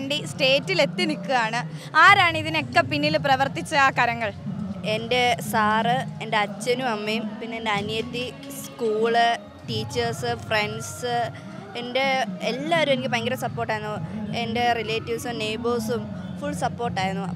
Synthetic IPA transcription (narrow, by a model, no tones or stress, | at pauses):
ɳɖisʈe̞ːtːile̞t̪ːinikːɨaːɳɨaːɾaːɳɨiðinekːɐpinːilprɐʋɐrt̪it͡ɕːɐaːkɐɾɐŋːɐɭende̞saːrɨende̞ɐt͡ɕːɐnumɐmːejumpinːeendeɐnjɐt̪ːi | skuːɭɨ | ʈiːt͡ɕːɐrsɨfre̞ɳɖsɨ | ende̞elːaːoɾume̞nikʲːɨpɐŋɡɐɾɐsɐpːo̞ːrʈːaːjɾunːuende̞rileːtːiʋsɨmnejboːsumfuɭsɐpːo̞ːrʈːaːjɾunːuɐ